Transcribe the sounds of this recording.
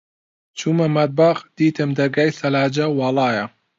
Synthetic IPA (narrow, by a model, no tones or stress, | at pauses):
t͡ʃʰumɐmɐt̪̚baːɣd̪̥iːt̪ʰɨmd̪ɐɾɡaːjsɐlaːd͡ʒɐwɑːlˠɑːjɐ